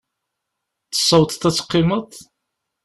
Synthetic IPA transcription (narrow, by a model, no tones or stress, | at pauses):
θə̥sˤːəwt̪ˤt̪ːæt͡sːə̥qːɪmət̪ˤ